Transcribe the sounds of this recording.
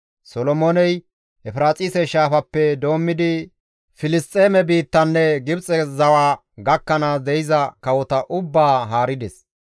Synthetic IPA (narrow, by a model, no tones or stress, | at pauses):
sɔlɔmonɛj | ɛfɪɾaːt͡sʼiːsɛʃaːfɐpːɛd̪o̞ːmːɪd̪ɪ | fɪlɪst̪ʼe̞ːmɛbiːt̪ːɐnːɛɡɪbt͡sʼɛzɐwaː | ɡɐkːɐnaːsd̪ɛjɪzɐkɐwɔt̪ɐʔʊbːaːɦaːɾɪd̪ɛs